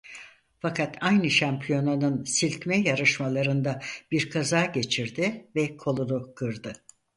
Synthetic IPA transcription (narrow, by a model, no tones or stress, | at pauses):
fakʰat̪ʰajnɯʃampʰijo̞nanɯnsilʲcmɛjaɾɯʃmalˠaɾɯnd̪ab̥iɾkʰazaːɟe̞t͡ʃʰiɾd̪ɪvɛkʰo̞lˠunukʰɯɾd̪ɯ